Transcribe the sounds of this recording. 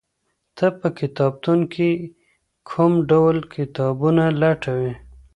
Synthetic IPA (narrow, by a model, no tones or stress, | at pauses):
t̪ʰəpəkɪt̪ɑb̚t̪unkʰi | kʰumɖawlkʰɪt̪ɑbunalaʈawe